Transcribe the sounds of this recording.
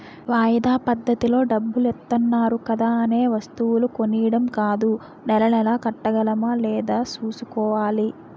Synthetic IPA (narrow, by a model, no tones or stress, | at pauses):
ʋaːjɐd̪aːpɐd̪ːɐt̪ilo̞ːɖɐbːulɛt̪ːɐnːaːɾukɐd̪aːɐne̞ːʋɐst̪uwuluko̞nijɐɽɐmkaːd̪u | nɛlɐnɛlaːkɐʈːɐɡɐlɐmɐlɛːd̪aːt͡ʃuːsukɔːʋaːli